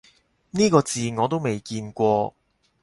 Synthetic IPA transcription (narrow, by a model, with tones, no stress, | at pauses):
niː˥kɔː˧t͡siː˨˧ŋɔː˨˧t̪o˥wme˨jkiː˧nkʷɔː˧